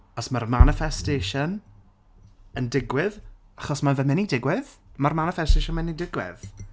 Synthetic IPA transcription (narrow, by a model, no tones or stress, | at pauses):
ɔsmarmanɪfɛsteːʃɔn | əndɪɡwɪð | aχɔsmavɛmɛnidɪɡwɪðmarmanɪfɛsteʃɔnmɛnidɪɡwɪ̰ð